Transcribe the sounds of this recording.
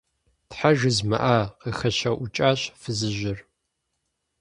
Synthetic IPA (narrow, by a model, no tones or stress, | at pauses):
tħaʒɨzmɨ̰ʔaqixɐɕɐʔʊt͡ʃʼaːɕfɨzɨʒɪr